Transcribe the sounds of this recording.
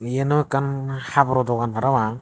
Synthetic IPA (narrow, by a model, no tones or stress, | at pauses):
jenɔkanhabɾɔdɔɡanpʰaɾawa